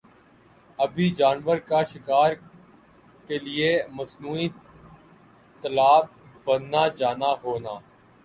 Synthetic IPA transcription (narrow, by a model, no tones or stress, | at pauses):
əbʱiːd͡ʒaːnʋəɾkaːʃɪkaːɾ | keːlɪeːməsnuːiː | t̪əlaːb̚ːənːaːd͡ʒaːnaːɦoːnaː